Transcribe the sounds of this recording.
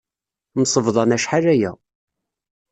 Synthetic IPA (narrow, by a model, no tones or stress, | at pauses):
msˤəvðˤɑnæʃħaɾæjæ̰